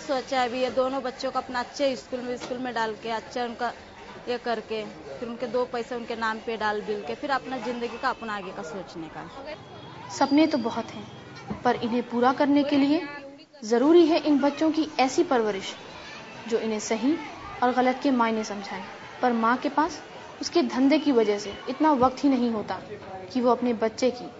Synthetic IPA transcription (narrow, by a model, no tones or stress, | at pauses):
soːt͡ʃaɛbʱijed̪oːnõbɐtːʃõkoɐpnaɐtːʃʰeɪskuːlmẽɪskuːlmẽɖaːlkeɐtːʃʰaʊnka | jekɐɾkepʰɪɾʊnked̪oːpɛːseʊnkenaːmpeɖaːlbɪlkepʰɪɾɐpnazɪ̃nd̪əɡikaɐpnaːɡekasoːt͡ʃneka̰ | sɐpnẽt̪obɐɦʊt̪ɦɛ̃ː | pɐɾɪnɦẽpuːɾakɐɾnekelie | zɐɾuːɾiɦɛʔɪnbɐtːʃõkiɛːsipɐɾʋəɾɪʃ | d͡ʒoːɪnɦẽsɐɦĩ | ɔːɾɣɐlət̪kemaːɪnẽsɐ̃md͡ʒʱaːe | pɐɾmãːkepaːs | ʊsked̪ʱɐ̃nd̪ekiʋɐd͡ʒəɦseɪt̪naʋɐk̚t̪ɦinɐɦĩɦoːt̪akiʋoɐpnebɐtːʃekiː